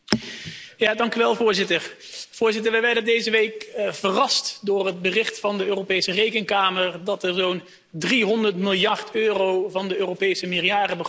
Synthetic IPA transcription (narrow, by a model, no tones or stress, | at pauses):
jaːdɑŋkyʋɛlˠvʊːɹzɪtəɹ | v̥ʊːɹzɪtəɹʋəjʋɛɹdəndejzəʋejkv̥ərɑstdʊːrɦəd̚bərɪχtfɑndəøːropejsərejkənkaːməɹdɑtɛɹzown | driɦɔndəɹtmɪlˠjɑrtøːrowvɑndəøːropejsəmɪrjaːrəbə